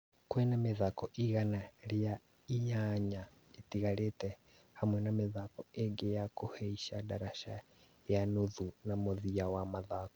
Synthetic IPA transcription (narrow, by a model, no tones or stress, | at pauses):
kwɛnameðakɔʔiɣanalja | iɲaɲa | itiɣaɾetɛ | hamwɛnameðakɔeɡejakuheiʃadaɾaʃa | januðunamoðiawamaðako̥